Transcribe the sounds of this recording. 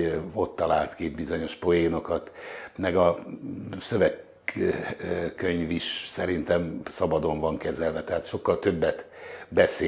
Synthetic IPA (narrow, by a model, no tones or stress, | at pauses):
o̞t̪ːɒlaːlt̪kibizo̞ɲo̞ʃpo̞jeːno̞kɒt̪mɛɡɒ | søvɛk | øɲviʃsɛɾint̪ɛmsɒbɒd̪o̞ɱvɒŋkɛzɛlvɛt̪ɛɦaːt̪ʃo̞kːɒlt̪øbːɛt̪bɛseː